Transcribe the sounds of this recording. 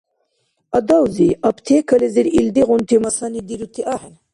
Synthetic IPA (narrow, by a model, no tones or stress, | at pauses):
ɐd̪awziʔɐpt̪ʰekʰɐleziɾild̪iɣunt̪ʰimɐsanid̪iɾut̪ʰiʔaħen